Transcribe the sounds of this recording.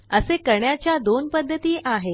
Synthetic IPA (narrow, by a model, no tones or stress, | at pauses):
əsekəɳjat͡ɕjad̪onpəd̪ʱːət̪iːʔaɦe